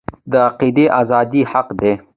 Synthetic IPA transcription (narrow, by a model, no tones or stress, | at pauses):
d̪əaqid̪eʔazɑːd̪ihaqd̪e